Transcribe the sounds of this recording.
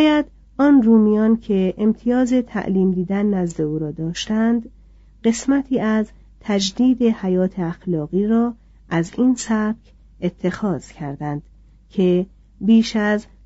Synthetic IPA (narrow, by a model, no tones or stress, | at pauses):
jæd̪ | ɒːnruːmijɒːnkʰe̞ʔemt̪ʰijɒːze̞t̪ʰæ̰ʔliːmd̪iːd̪ænːæzd̪e̞uːɾɒːd̪ɒːʃt̪ænd̪ | ɢe̞smæt̪ʰiːʔæz | t̪ʰæd͡ʒd̪iːd̪e̞hæjɒːt̪ʰe̞æxlɒːɣiːɾɒː | ʔæziːnsæb̥̚c | e̞t̪ʰːe̞xɒːz̥cʰæɾd̪ænd̪̥ | cʰe̞ | biːʃæz